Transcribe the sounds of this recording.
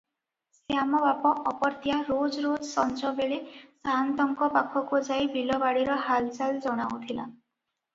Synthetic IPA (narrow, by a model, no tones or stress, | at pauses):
sjamɔbapɔʔɔpɔɾt̪jaɾod͡ʒɾod͡ʒsɔnd͡ʒɔbeɭesant̪ɔŋkɔpakʰɔkud͡ʒajbʱilɔbaɽiɾɔɦald͡ʒald͡ʒɔɽ̃awt̪ʰila̰